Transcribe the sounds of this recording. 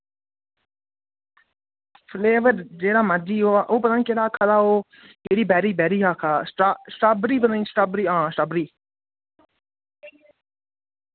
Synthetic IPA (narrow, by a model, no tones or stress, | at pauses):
fʰleːʋəɾd͡ʒeːɽaːmad͡ʒiːoːaːʔoːpət̪aniːkeːɽaːkʰalaːoː | keːɾiːbɛːɾiːbɛːɾiːɦaːkʰasʈasʈaːbɾiːpənəĩːsʈaːbɾiːãːsʈaːbɾiː